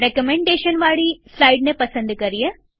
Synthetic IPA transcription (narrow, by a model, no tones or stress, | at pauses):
ɾekəmẽɳɖeʃənʋaɭisaiɖnepəsə̃nd̪kəɾije